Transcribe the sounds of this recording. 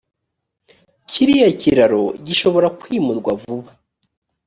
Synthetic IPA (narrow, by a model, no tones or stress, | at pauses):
cʰiɾijaciɾaɾo̞̰ɟiʃo̞βo̞ɾakwiːmuɾɡwavuβa